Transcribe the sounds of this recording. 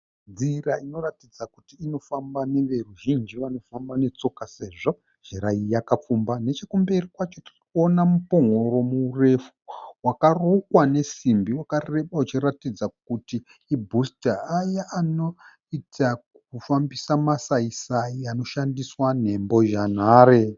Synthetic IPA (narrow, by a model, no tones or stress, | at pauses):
d͡ziraino̞ratid͡zakutiːno̞fambane̞ʋe̞ruʒind͡ʒiʋano̞fambane̞t͡so̞kase̞ʐo̞ | ʒ̥eɾaijakap͡fumbane̞t͡ʃekumberikwat͡ʃotirkuonamupoŋoɾo̞muːre̞fu̥wakarokwane̞simbiwakarre̞ɓaut͡ʃiratid͡zakutiː | bʱustaajaʔːno̞ | itakufambisamasaisaiano̞ʃandiswan̤e̞mbo̞ʒan̤aːɾe